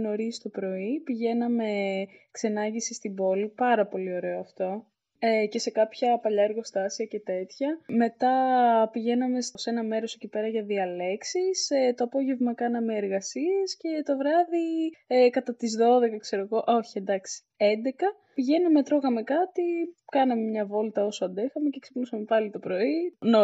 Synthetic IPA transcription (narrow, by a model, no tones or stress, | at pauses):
no̞ɾist̪o̞pɾo̞ipiʝe̞nɐme̞kse̞nɐɲʝisist̪ibo̞lipɐɾɐpo̞lio̞ɾe̞oɐft̪o̞ | ece̞se̞kɐpçɐpɐʎɐeɾɣo̞st̪ɐsiɐce̞t̪e̞t̪çɐme̞t̪ɐpiʝe̞nɐme̞sse̞nɐme̞ɾo̞se̞cipe̞ɾɐʝɐðiɐle̞ksist̪o̞ɐpo̞ʝe̞vmɐkɐnɐmeːɾɣɐsie̞sce̞t̪o̞vɾɐðiekɐt̪ɐt̪izðo̞ðekɐkse̞ɾo̞ɣo̞ʔo̞çiend̪ɐksi̥ | end̪ekɐ | piʝe̞nɐme̞t̪ɾo̞ɣɐme̞kɐt̪ikɐnɐme̞mɲɐvo̞lt̪ɐo̞soɐnd̪exɐme̞ce̞kse̥pnusɐme̞pɐlit̪o̞pɾo̞ino